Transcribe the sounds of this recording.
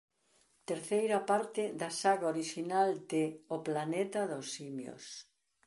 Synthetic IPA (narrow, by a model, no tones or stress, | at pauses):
t̪eɾθejɾɐpaɾt̪ɪd̪ɐsaɣaoɾiʃinald̪eoplanet̪ɐðosimjo̰s